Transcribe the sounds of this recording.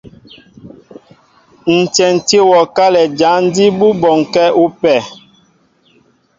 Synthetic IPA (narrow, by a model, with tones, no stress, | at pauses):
n̩˨tɛ˨n̩˨te˦wɔ˨ka˦lɛ˨d͡ʒa˨˦n˦di˦bu˦bɔ˨ŋkɛ˦u˦pɛ˨